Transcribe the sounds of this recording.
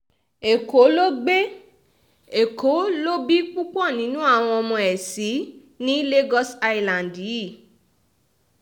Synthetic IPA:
e˨ko˨˦lo˦ɡ͡be˦ | e˨kʰo˨˦lo˦bi˦k͡pu˦k͡pɔ̃˦˨nĩ˨˦nũ˦a˦˨w̃ɔ̃˧ɔ˧mɔ̃˧ɛ˨si˨˦ | nĩ˦le˦ɡɔ˦sa˧i˧lã˨ndi˨˦i˦˨

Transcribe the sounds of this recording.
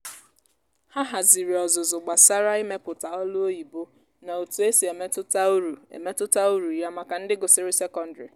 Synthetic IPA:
ha˦ɦa˨zi˨ɾi˨ɔ˨zʊ˨zʊ˨ɡ͡ba˨sa˦ɾa˦i˦me˦pʊ˨ta˨ɔ˦lʊ˦o˦i˨bo˦ | na˨o˨tu˨e˦si˨e˨me˦tʊ˦ta˦u˦ɾu˨ḛ˨me˦tʊ˦ta˦u˦ɾu˨ja˦ma˨ka˨n̩˦dɪ˦ɡʊ˨sɪ˨ɾɪ˦se˦kɔ˦n̩˨dɾɪ̰˨

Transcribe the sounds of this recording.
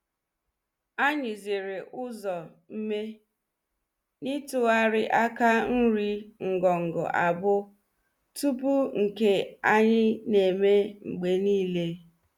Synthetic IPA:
a˦ɲɪ˨zɪ˨ɾe˨ʔʊ˦zɔ˨ | m̩˦me˦ | ni˦tʊ˦a˦ɾɪ˦ʔa˦ka˦n̩˦ɾi˦ŋ̩˨ɡɔ˨ŋ̩˨ɡɔ̰˨ʔa˨bʊ˦ | tu˦p̬u˦ŋ̩˨ke˦a˦ɲɪ˦ne˨me˦ŋ͡m̩˨ɡ͡be˦niː˦le˦

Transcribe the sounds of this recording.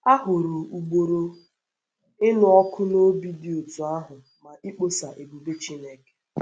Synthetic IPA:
a˦ɦʊ˨ɾu˨u˨ɡ͡bo˨ɾo˨ | ɪ˦nʊ˨ɔ˦kʰʊ˦no˦bi˦dɪ˦o˨tʊ˨a˦ɦʊ˨ | ma˨ʔi˦k͡po˦sa˨ʔe˨bu˨be˦t͡ʃi˦ne˦ke̥˨

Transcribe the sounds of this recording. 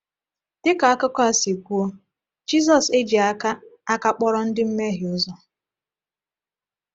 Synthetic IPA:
dɪ˦ka˨a˦kʊ˦kʷa˦˨si˨ɡʷu˦o˦ | d͡ʒi˦zɔ˨se˦d͡ʒi˨a˦ka˦a˦ka˦k͡pɔ˦ɾɔ˦n̩˦dɪ˦m̩˦me˦ɦɪ˨ʊ˦zɔ˦

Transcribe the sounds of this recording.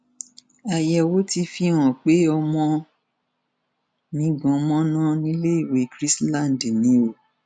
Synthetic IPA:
a˧jɛ˧wo˦ti˧fĩ˧˦ɔ̃˨k͡pe˨˦ɔ˧mɔ̃˧ | nĩ˨˦ɡɔ̃˨˧˦mɔ̃˦nã˦nĩ˦le˦i˦˨we˨˦kɾi˦slã˦˨n˨dnĩ˨˦o˨

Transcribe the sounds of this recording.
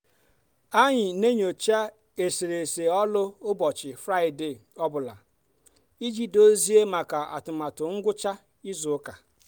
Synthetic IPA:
a˦ɲɪ˨ne˦ɲo˨t͡ʃa˦ | e˨si˨ɾe˨se˨ɔ˦lʊ˦ʊ˦bɔ˨t͡ʃɪ˨fɾa˦˨ɪ˨de˨ɔ˦bʊ˨la˨ | i˦d͡ʒi˦do˦zi˦e˦ma˨ka˨a̰˨tʊ˨ma˨tʊ˨ŋ̩˦ɡʷʊ˦t͡ʃa˦ | i˦zʊ˨˦ka˨

